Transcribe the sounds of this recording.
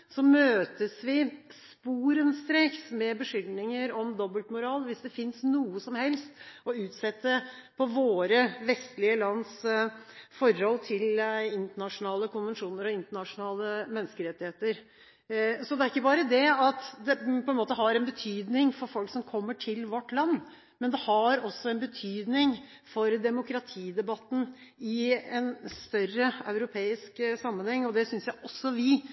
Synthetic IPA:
sɔmøːt̪əsʋɪspuːɾənst̪ɾeːksmɛbəʂʏlnɪŋəɾɔmd̪ɔbəlt̪mʊɾɑːlʋɪsd̪ɛfɪnsnuːəsɔmhɛlst̪ɔʉːt̪sɛt̪ːəpʰɔʋoːɾəʋɛst̪lɪəlɑnːs | fɔɾhɔlːt̪ʰɪlɪnt̪əɳɑʂʊnɑːləkʊnʋənʂuːnəɾɔɪnt̪əɳɑʂʊnɑːləmɛnːəskəɾɛt̪ːɪheːt̪əɾ | sɔd̪ɛæɾɪkːəbɑːɾəd̪ɛɑt̪d̪ɛpʰɔɛnmoːt̪əɦɑɾɛnbət̪ʰyːd̪nɪŋfɔɾfɔlksɔmkʰɔmːəʈʰɪlʋɔʈːlɑnː | mɛnd̪ɛhɑɾɔsːɔɛnbət̪ʰyːd̪nɪŋ | fɔɾd̪ɛmʊkʰɾɑt̪ʰiːd̪ɛbɑt̪n̩ | ɪɛnst̪œrəɑʉɾʊpʰeːɪsksɑmːənhɛŋːɔd̪ɛsʏnsjæɪʔɔsːɔʋɪ

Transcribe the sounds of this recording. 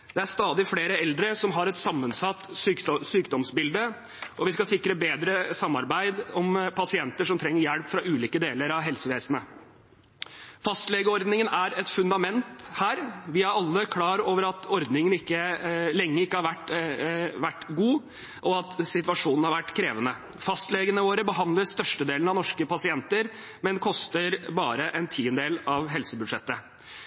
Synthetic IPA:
d̪ɛæɾʂt̪ɑːd̪ɪfleːɾəɛld̪ɾəsɔmɦɑɾɛt̪sɑmːənsɑt̪ːsysyːkd̪ɔmsbɪld̪ə | ʔɔʋɪskɑsɪkɾəbeːd̪ɾəsɑmːɑɾbæɪd̪ɔmpʰɑsɪɛnt̪əʂɔmt̪ʰɾɛŋːəɾjæɽpfɾɑʔʉːliːkəd̪eːləɾɑʋɦɛlsəʋeːsənə | fɑst̪lɛɡəɔɾd̪nɪŋənæɾɛt̪fʉnd̪ɑmɛnt̪hæːɾʋɪhɑɾɑlːəkʰlɑːɾoːʋəɾɑt̪ʰɔɾd̪nɪŋənɪkːəlɛŋːəɾɪkːəhɑɾʋæʈː | ʋæʈːɡuː | ʔɔɑt̪sɪt̪ʋɑʂuːnn̩hɑɾʋæʈːkʰɾeːʋənə | fɑst̪leːɡənəʋoːɾəbəɦɑnd̪ləst̪œʂʈəd̪eːln̩ɑʋnɔʂkəpɑsɪɛnt̪əɾ | mɛnkʰɔst̪əɾbɑːɾəʔɛnt̪ʰiːənd̪eːlɑʋɦɛlsəbʉd̪ʂɛt̪ːə

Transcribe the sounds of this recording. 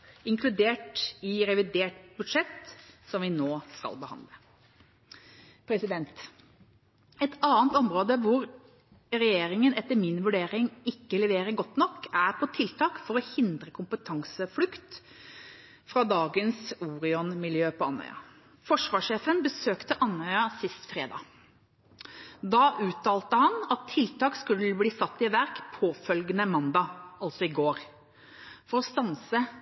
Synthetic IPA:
ɪŋkʰlʉd̪eːʈɪɾɛʋɪd̪eːʈbʉd̪ʂɛt̪sɔmʋɪnoːskɑ̰lbəhɑ̰nd̪lə | pʰɾɛsɪd̪ɛnt̪ | ɛt̪ɑːnt̪ɔmɾoːd̪əʋʊɾ | ɾɛjeːɾɪŋənɛt̪ːəɾmɪnʋʉɖeːɾɪŋɪkːəlɛʋeːɾəɾɡɔt̪ːnɔkːæɾpʰɔt̪ʰɪlt̪ʰɑːkfɔɾɔhɪnd̪ɾəkʰʊmpət̪ʰɑŋsəflʉkt̪ | fɾɑd̪ɑːɡənsuːɾɪɔnmɪljøːpɔɑnœ̰ʏɑ̰ | fɔʂʋɑːʂeːfənbəsøːkt̪əʔɑnœʏɑsɪst̪fɾeːd̪ɑ̰ː | d̪ɑʔʉːt̪ʰɑːlt̪əhɑnɑt̪ʰːɪlt̪ʰɑːkskʉlːəbliːsɑt̪ːɪʋæɾkpʰoːfœlɡənəmɑnd̪ɑɑlsɔɪɡoːɾ | fɔɾɔst̪ɑnsə

